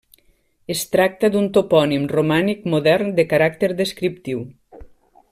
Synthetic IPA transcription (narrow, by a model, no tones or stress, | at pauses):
est̪ɾak̚t̪əd̪unt̪opɔnimrumanik̚muðɛrnd̪əkaɾak̚t̪eɾðəskɾip̚t̪iw